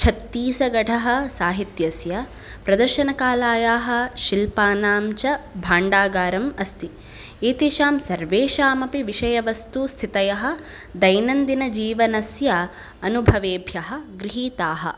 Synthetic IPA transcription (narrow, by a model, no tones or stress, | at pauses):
t͡ʃʰɐt̪ːiːsɐɡɐʈʰɐɦɐ̆saːɦit̪jɐsjɐ | pɾɐd̪ɐɾʃɐnɐkaːlaːjaːɦɐ̆ʃilpaːnaːmt͡ʃɐbʱaːɳɖaːɡaːɾɐmɐst̪i | eːt̪iʃaːmsɐɾʋeːʃaːmɐpiʋiʃɐjɐʋɐst̪ust̪ʰit̪ɐjɐɦɐ̆ | d̪ɐjnɐnd̪inɐd͡ʒiːʋɐnɐsjɐ | ɐnubʱɐʋeːbʱjɐɦɐ̆ɡɾiɦiːt̪aːɦɐ̰̆